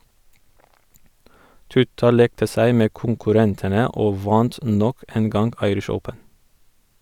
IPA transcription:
ˈtʉtɑ ˈleːktə ˈsæɪ ˈmeː kʊŋkʉˈɾɛntənə ˈoː ˈʋɑnt ˈnɔk ˈeːn ˈɡɑŋɡ ˈɑɪɾɪʃ ˈəʊpən

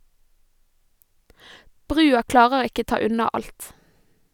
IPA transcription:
ˈbʁʉːɑ ˈklɑːʁəɾ ˈɪkə ˈtɑː ˈʉnɑ ˈɑlt

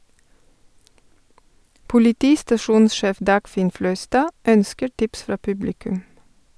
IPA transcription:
pʊlɪˈtiːstɑˌʃuːnsˌʃeːf ˈdɑːɡˌfɪn ˈflœʏˌstɑː ˈœnskəɾ ˈʈɪps ˈfɾɑː ˈpʉblɪkʉm

